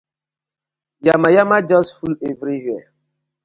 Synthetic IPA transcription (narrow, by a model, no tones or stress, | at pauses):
jamajamad͡ʒɔsfulevɾiɦjɛ